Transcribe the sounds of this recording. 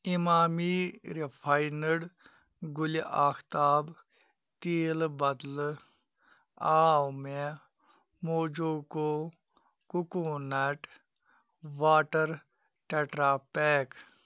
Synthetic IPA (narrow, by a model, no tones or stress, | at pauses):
imaːmiːɾipʰajnəɽ | ɡʊliʔaːxʰt̪aːb | t̪iːlbɐd̪l | aːwme | moːd͡ʒoːko | kukõːnɐʈ | ʋaːʈəɾ | ʈeʈɾaːpeːk